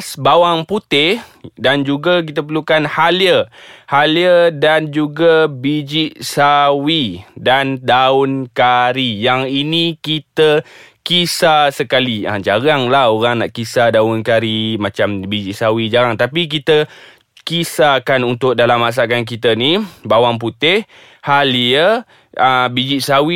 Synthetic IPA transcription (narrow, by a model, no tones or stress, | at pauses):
sbawaŋput̪ɪhdand͡ʒuɡak̬it̪əp̬əlukanhaljəhaljədand͡ʒuɡabid͡ʒiʔsawidandaʊnkaɾijaŋinĩkit̪ə | kisasəkalia̰d͡ʒaɾaŋlahoɾaŋnaʔkisadaʊnkaɾimat͡ʃambid͡ʒiʔsawid͡ʒaɾaŋt̪apik̬it̪ə | kisakanunt̪ʊʔk̚dalamːas̬akank̬it̪ənibawaŋp̬ut̪ɪh | haliə | ʔəbid͡ʒiʔsawi